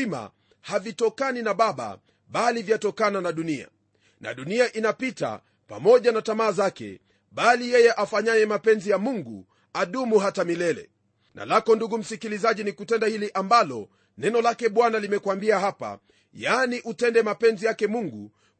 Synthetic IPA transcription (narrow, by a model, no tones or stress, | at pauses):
ima̰ | havitɔkaninaɓaɓa̰ | ɓalivjatɔkananaɗunia̰ | na̰ɗuniaʔinapita̰ | pa̰mɔʄanatamaːzakɛ̰ | ɓalijɛjɛʔafaɲajɛmapɛnzijamuŋɡu | aɗumuɦatamilɛlɛ̰ | na̰lakɔnduɡum̩sikilizaʄinikutɛndahiliʔambalɔ̰ | nɛnɔlakɛɓwanalimɛkwambiaɦapa̰ | janiʔutɛndɛmapɛnzijakɛmuŋɡu